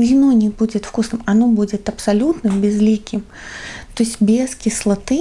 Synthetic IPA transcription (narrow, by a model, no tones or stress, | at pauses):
vʲɪnonʲɪbud͡zʲɪt̪fkusnɨmɐnobud͡zʲɪt̪ɐpsalʲut̪nɨmbʲɪzlʲikʲɪm | t̪oɪsʲbʲeskʲislˠat̪ɨ